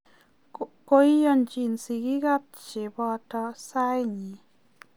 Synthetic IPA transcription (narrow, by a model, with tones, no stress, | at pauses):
ko˧˦jjo˧nt͡ʃi˧nsi˧ɡi˦ɡa˦p̚t͡ʃe˨bɔ˧t̪ɔ˧sa˦jɲi˨